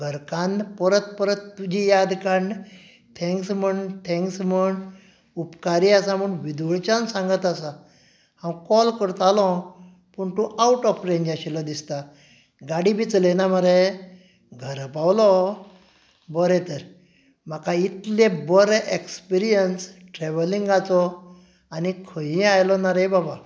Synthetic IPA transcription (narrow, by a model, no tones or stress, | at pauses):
ɡʱəɾkanpəɾət̪pəɾət̪ːud͡ʑʱijad̪kaɳɖ | t̪ʰɛ̃ŋksməɳɖt̪ʰɛ̃ŋksməɳɖ | upkaɾiasam̤əɳʋid̪uɭt͡ɕansãŋɡət̪asa | hãw̃kɔlkəɾt̪alɔ̃ | pəɳt̪ũʔawʈɔfɾẽɲd͡ʑaɕilad̪ist̪a | ɡaɽibʱit͡slenaməɾe | ɡʱəɾəpawlɔ | bɔɾɛt̪əɾ | m̤akait̪lebɔɾʔekspiɾijənsʈɾɛʋəlĩŋɡat͡sɔ | anikʰəjĩajlɔnaɾebaba